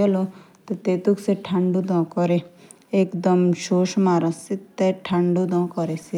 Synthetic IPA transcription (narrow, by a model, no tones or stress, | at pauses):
elõ | t̪et̪eːt̪ukseʈʰãɳɖud̪ɔ̃ːkɔɾe | eːkd̪ɔmʃoːʃmaːɾɔ̃sit̪eʈʰãɳɖud̪ɔ̃ːkɔɾesi